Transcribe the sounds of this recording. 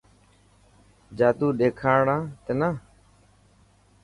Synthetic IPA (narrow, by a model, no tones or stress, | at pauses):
d͡ʒaːt̪uːɗeːkʰaːɽãːt̪enaː